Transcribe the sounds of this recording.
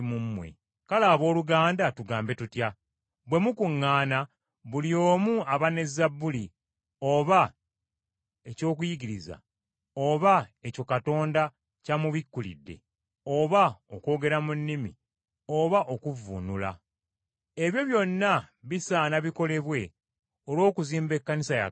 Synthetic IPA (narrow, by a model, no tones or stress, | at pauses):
mumːwḛ | kalaːβo̞ːluɡaːndatuɡaːmbe̞tutja | βwe̞mukuŋːaːna | βulijo̞ːmuaβane̞zabːuli | o̞βa | e̞co̞ːkujiɡiɾiza̰ | oβae̞co̞kato̞ːnda | camuβikːulḭdːe̞̰ | o̞βaoko̞ːɡe̞ɾamunːimḭ | oβaʔo̞kuvṵnula̰ | e̞βjo̞βjo̞nːaβisaːnaβiko̞le̞βwe̞ | olwo̞ːkuziːmbe̞kːanisaja̰